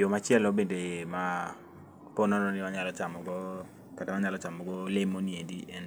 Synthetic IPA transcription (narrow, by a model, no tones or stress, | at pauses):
jomat͡ʃjɛlɔbendema | pɔnɔnɔnɪmaɲalɔt͡ʃamɔɡɔ | katamaɲalɔt͡ʃamɔɡɔlɪmoniediɛn